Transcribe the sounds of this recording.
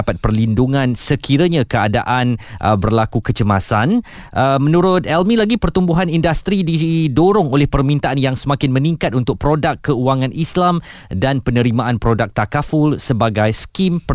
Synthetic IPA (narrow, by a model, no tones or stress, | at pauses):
apat̪̚pərlinduŋãnsəkiɾəɲãkəada̰ʔanʔə̰bərlakukət͡ʃəmasan | ʔəmə̃nũɾʊt̪̚ɛlmĩlaɡipərt̪umbuɦanindast̪ɾididoɾʊŋolɛhpərmĩnt̪aʔanjaŋsəmãkɪnmə̃nĩŋkat̪̚unt̪ʊk̚pɾodakːəuaŋãnʔislamdanpənə̃ɾimãanpɾodak̚t̪akafulsəbaɡajskimp